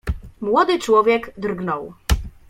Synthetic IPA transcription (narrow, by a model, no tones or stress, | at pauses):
mwɔd̪ɘt͡ʂwɔvʲjɛɡd̪rɡnɔw